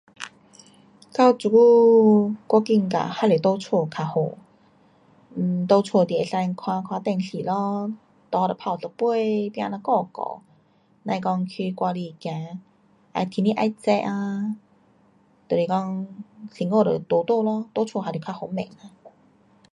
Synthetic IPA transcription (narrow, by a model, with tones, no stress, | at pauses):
ka˧˩wt͡su˨˧˩ku˦ | kɔ˧ki˧˩ŋka̰˨˩ha˧le˨˩t̪o˥˦t͡sʰwo˥˧˩kʰa˧ho˨ | m̩˨˩t̪o˧t͡sʰwo˥˧˩t̪i˨e˧˩sa˧nkʰwã˧kʰwa˧t̪ɛ˥˧˨ŋɕi˨lɔ˦ | t̪ɔ˧ɾə˨˩pʰa˧˩˨t͡sə˧pwe˥˧˨pjã̰˧na˧kɔ˥˧kɔ̰˨˦ | nã˧kɔ˧ŋkʰi˧kwa˧li˧kjã˧˦ | a̰˧˩t̪ʰi˧˦nĩ˦˧ʔa̰˧jt͡sɛ˧ʔa˧ | t̪ə˨˩li˨˩kɔ˧ŋsi˨˩ŋo˥˧˨ɾə̰˨˩t̪o˧˦t̪o˥˧˨lɔ˧t̪o˥˧˦t͡sʰwo˧˨ha˧le˨˩kʰa˧ho˧˩mḛ˨˩ŋa˧